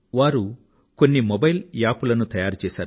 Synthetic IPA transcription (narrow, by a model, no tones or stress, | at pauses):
ʋaːɾu | ko̞nːimobɐjljaːpulɐnut̪ɐjaːɾut͡ʃɛːsaːɾu